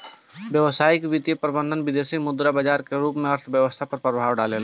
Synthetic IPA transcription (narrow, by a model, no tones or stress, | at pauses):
ʋjəʋsaːɪkʋit̪jəpɾəbə̃nd̪ʱənʋɪd̪eːsimʊd̪ɾabəd͡ʒaːɾkeɾuːpmẽəɾt̪ʰʋjəʋəst̪ʰapəɾpɾəbʱaːʋɖaːlela